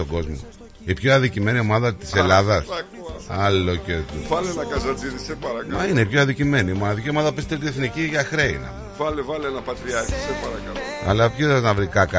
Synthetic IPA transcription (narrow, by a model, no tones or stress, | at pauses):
oɡo̞zmo̞̰ | ipçoɐðicime̞nio̞mɐðɐt̪i̥se̞lɐðɐs | ɐlːo̞ceɾt̪uvɐlenɐkɐzɐd̪iðisepɐɾɐmɐine̞ipçoɐðicime̞niːmonɐðicio̞mɐðɐpist̪elt̪ieθniciʝɐxɾe̞ḭnḛ | vɐlevɐlenɐpɐt̪ɾiɐɾçi̥sepɐɾɐkɐloɐ̰lɐpçiðznɐvɾikɐkɐ